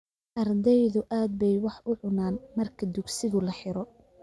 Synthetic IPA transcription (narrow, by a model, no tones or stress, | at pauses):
ʔɐrd̪ɛjðʊʔaːd̪̚bɛjwɑħʊʕʊnaːnmɐrkʰɐd̪ʊɡsɪɣʊlɐħɪɾɔ